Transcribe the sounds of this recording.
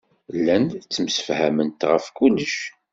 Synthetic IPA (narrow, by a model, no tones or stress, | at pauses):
lːænt͡sːəmsə̥fhæ̰mənt̪ʁəfkulːəʃ